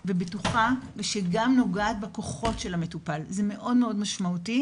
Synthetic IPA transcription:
vebetuχaveʃeɡamno̞ɡaːtbeko̞χo̞tʃelametupalzeme̞ʔo̞dmeo̞dmaʃmauti

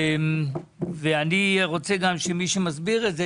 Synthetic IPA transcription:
veaniʁo̞t͡seɡamʃemiʃemazbiʁetze

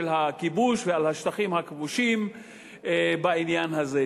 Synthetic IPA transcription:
elɦakibuʃvealhaʃt̪aχimhakvuʃim | bainjanhaze

